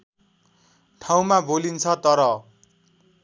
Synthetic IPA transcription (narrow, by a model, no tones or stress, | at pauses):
ʈʰaw̃mabolint͡sʰʌt̪ʌɾʌ